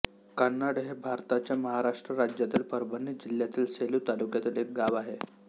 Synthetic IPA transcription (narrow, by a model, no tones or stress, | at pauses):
kənːaɽɦebʱaɾt̪at͡ɕjaməɦaɾaʂʈɾəɾad͡ʑjat̪iːlpəɾbənːid͡ʑiljat̪iːlseluːt̪alukjat̪iːlek̚ɡaʋaɦe